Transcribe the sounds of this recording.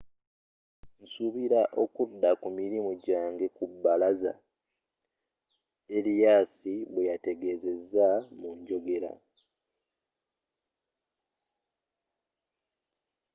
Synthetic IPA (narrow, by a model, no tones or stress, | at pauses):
n̩suβiɾaʔo̞kudːakumiɾimuɟaːŋɡe̞kubːalaza̰ | elijaːsiβwe̞jate̞ɡe̞ze̞zamuɲɟo̞ɡe̞ɾa̰